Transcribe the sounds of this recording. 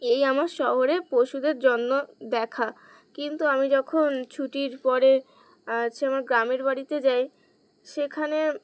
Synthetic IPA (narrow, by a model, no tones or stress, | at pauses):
ejamaɾʃɔɦoɾepoʃud̪eɾd͡ʑonːod̪ɛkʰa | kint̪uamid͡ʑɔkʰont͡ɕʰuʈiɾpɔɾe | at͡ɕʰeamaɾɡɾameɾbaɽit̪ed͡ʑaj | ʃekʰane